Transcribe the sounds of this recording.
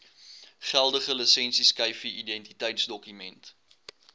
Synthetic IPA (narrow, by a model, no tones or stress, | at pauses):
χælˠdəχələsɛnsiskɐjfiidɛntitəjtsdɔkymɛnt